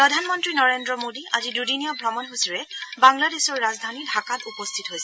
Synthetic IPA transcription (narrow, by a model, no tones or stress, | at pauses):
pɹɔdʱanmɔntɹinɔɹendɹɔmodiʔa̰zidudinijɔbʱɹɔmɔnɦusiɹɛbaŋladesɔɹːazdʱanidʱakatupɔst̪ʰitɦojsɛ